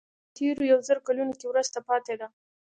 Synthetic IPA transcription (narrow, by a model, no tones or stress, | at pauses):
t̪ʰeɾojawzəɾkalunokewɾəzt̪apɑt̪ed̪a